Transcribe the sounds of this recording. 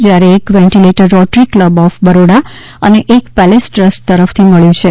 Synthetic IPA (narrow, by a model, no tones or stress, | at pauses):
d͡ʒjaɾeːkʋɛ̃ɳʈileʈəɾɔʈɾikːləbɔfbəɾoɽa | əneʔekpɛlesʈɾəsʈt̪əɾəft̪ʰiməɭjũt͡ʃʰe